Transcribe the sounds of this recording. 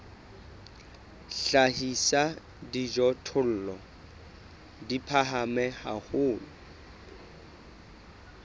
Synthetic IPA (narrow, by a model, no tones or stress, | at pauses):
ɬahisa | did͡ʒɔtʰʊl̩ːlɔ | dipʰaɦamɛha̰hʊːlʊ